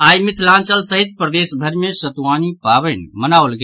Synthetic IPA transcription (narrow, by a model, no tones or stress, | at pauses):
ajmit̪ʰlãnt͡ʃəlsəɦit̪̚pɾəd̪esbʱəɾmesət̪ʋanipaβɛnmənaolɡe